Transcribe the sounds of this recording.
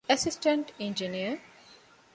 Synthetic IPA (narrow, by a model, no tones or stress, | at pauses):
ɛsisʈə̃ɳʈẽɲd͡ʒiniə